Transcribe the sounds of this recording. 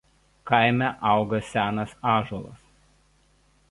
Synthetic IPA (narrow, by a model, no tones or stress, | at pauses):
kɐɪmʲæʔɑˑʊɡɐsʲæːnɐsɑːʒuɔlˠɐ̰s